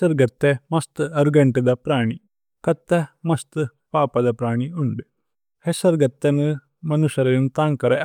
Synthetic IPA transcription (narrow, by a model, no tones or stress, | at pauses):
ɐɾɡɐt̪ːemɐst̪ɨɐɾɡɐɳʈɐd̪ɐpɾaːɳi | kɐt̪ːemɐst̪ɨ | paːpɐd̪ɐpɾaːɳiuɳɖi | hesɐɾɡɐt̪ːenɨ | mɐnuʃɐɾɐjnut̪aːŋkɐɾe